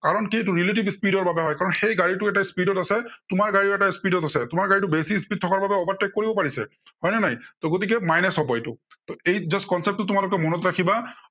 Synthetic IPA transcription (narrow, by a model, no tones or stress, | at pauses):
kaɹɔnkit̬uɹiletibspidɔɹbabɛɦɔjkaɹɔnxejɡaɹitʊɛtaispidɔtasɛtʊmaɹɡaɹiɛtaispidɔtasɛtʊmaɹɡaɹitubesispid̚tʰɔkaɹbabɛɔbat̚ːɛkːoɹibɔpaɹisɛ̰ | hɔjnanajtɔɡot̬ik̬ɛmajnɛsɔbɔjtʊtɔejzɔskɔnsep̚tʊtʊmalʊk̬ɛmɔnɔtɹakʰiba